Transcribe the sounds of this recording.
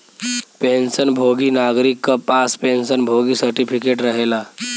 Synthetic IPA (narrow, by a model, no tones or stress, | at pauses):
pensənbʱoɡiːnaɡɾikːəpaspensənbʱoɡiːsəɾʈipʰikeʈɾəɦela